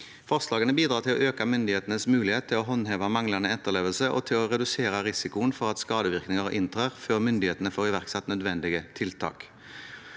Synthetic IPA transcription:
fɔʁslɑːɡənəbiːd̪ɾɑːt̪ʰɪlɔ̰ʔøːkɑmʏnd̪ɪeːt̪ənəsmʉːlɪheːt̪ʰːɪlɔɦɔnɦeːʋɑmɑŋlɑnəɛt̪ːəʁleːʋəlsəʔɔ̰t̪ʰɪlɔʁɛd̪ʉseːɾɑʁɪsɪkʊənfɔʁɑt̪skɑːd̪əʋɪʁknɪŋəʁʔɪnt̪ʰʁøːʁføːʁmʏnd̪ɪheːt̪ənəfoːʁɪʋæʁksɛt̪ːnœd̪ʋɛnd̪ɪɡət̪ʰɪlt̪ʰɑ̰ːk

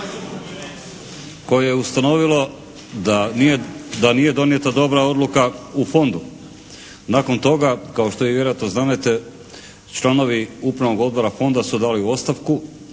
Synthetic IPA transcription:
ko̞jejeust̪ano̞ʋilˠo̞ | aed̪anije̞d̪o̞nije̞t̪ad̪o̞bɾao̞d̪lukaufo̞nd̪u | nako̞nt̪o̞ɡakaoʃt̪o̞ʋiʋje̞ɾojat̪no̞znanet̪e | t͡ʃlˠano̞ʋiupɾano̞ɡo̞d̪̚bo̞ɾafo̞nd̪asud̪aːliuo̞t̪st̪aʋku

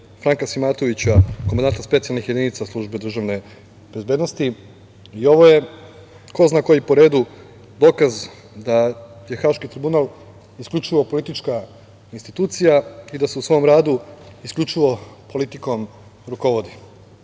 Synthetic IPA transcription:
fɾaŋkasimat̪o̞ʋit͡ɕakomand̪ant̪aspet̪sijalnixje̞d̪init̪saslˠuʒbed̪ɾr̩ʒaʋne̞ | b̥e̞zbe̞ːd̪no̞st̪i | io̞ʋoje̞ | ko̞znakojipoɾe̞ːd̪u | d̪o̞kaz | d̪aje̞xaːʃkit̪ɾibunalˠ | iskʎʲut͡ʃiʋo̞po̞lit̪it͡ʃka | inst̪it̪uːt̪sijaid̪aseusʋo̞mɾaːd̪uiskʎʲut͡ʃiʋo̞po̞lit̪iko̞m | ɾuko̞ʋo̞d̪i

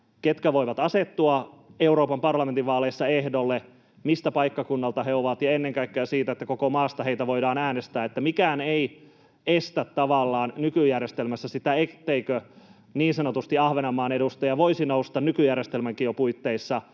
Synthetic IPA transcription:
ket̪kæʋoiʋɑt̪ɑset̪ːuɑe̞uɾoːpɑmpɑrlɑment̪iʋɑːleisːɑehdolːe | mist̪æpɑikːɑkunːɑlt̪ɑheoʋɑt̪jɑenːeŋkɑikːeæsiːt̪æet̪ːækokomɑːst̪ɑɦeit̪æʋo̞idɑːnæːnest̪æːet̪ːæmikæːnei | est̪æt̪ːɑʋɑlːɑːnnykyjærjest̪elmæsːæsit̪æet̪ːeikø | niːnsɑnot̪ust̪iɑhʋenɑmɑːnedust̪ɑjɑʋoisinoust̪ɑnnykyjærjest̪elmæŋkiopuit̪ːeisːɑ

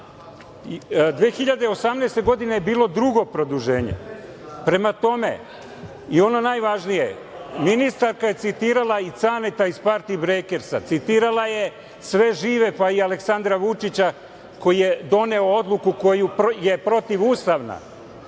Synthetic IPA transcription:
d̪ʋeːxiʎad̪eosamneːst̪eɡo̞d̪inejebiːlo̞d̪ɾuɡo̞pɾo̞d̪uʒe̞ːɲḛ | pɾe̞mat̪o̞me̞̰ | io̞no̞najʋaʒnije̞̰ | minist̪aɾkaje̞t̪sit̪iːɾalˠait̪sanet̪aispaɾt̪iːbɾeke̞ɾsa̰t̪sit̪iːɾalaje̞ | sʋe̞ʒiːʋe̞paialeksand̪ɾaʋut͡ʂit͡ɕa | ko̞jijed̪o̞ne̞ood̪lˠukuko̞jupje̞pɾo̞t̪iʋust̪aʋna̰

